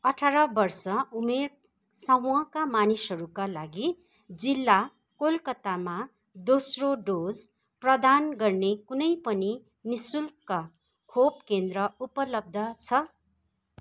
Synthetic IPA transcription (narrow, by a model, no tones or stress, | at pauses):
ʌʈʰaɾʌbʌrsʌumeɾ | sawʌ̃kamanisɦʌɾukalaɡi | d͡zilːa | kolkʌt̪ama | d̪osroɖod͡z | prʌd̪anɡʌrnekunʌjpʌni | nisulka | kʰobkend̪rʌupʌlʌb̚d̪ʱʌt͡sʰʌ